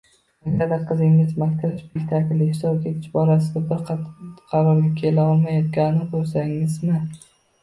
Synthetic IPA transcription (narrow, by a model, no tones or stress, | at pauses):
aɡʲad̪aqʰɨzɪŋɪzmakʲt̪ʰɪɾɪʃpekʲt̪ʰakʲlɪhɪsɒbkʲeɪt͡ʃbɒɾasɪd̪abɪɾqqʰɑɾɒɾɡʲakʲʰe̞laɒlˠmajɒt̪̚ɡʲanɪnɪbolˠsaŋɪzmɪ